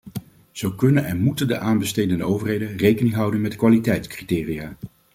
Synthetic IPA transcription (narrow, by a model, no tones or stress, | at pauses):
z̥owkɵnənɛnmutəndə̰ʔaːnbəstejdəndəowvərɦejdənrejkənɪŋɦʌwdənmɛtkʋaːlitɛjtskritɪːriaː